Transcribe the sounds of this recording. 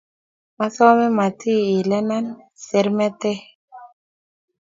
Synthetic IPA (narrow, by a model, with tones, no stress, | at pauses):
ma˦sɔ˦mɛ˦ma˨tʰi˦i˨lɛ˦na˦n | se˨ɾmɛ˦t̪ɛ˦